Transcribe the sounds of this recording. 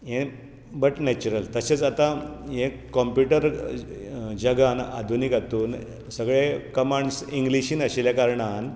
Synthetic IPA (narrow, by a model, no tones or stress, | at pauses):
ɦẽ | bəʈnɛt͡ɕuɾəlt̪əɕet͡sat̪ãɦẽ | kɔmpjuʈəɾ | d͡ʑəɡana̰d̪ʱunikat̪uːn | səɡɭekəmaɳɖsiŋɡliɕiːnəɕeljakaɾɳan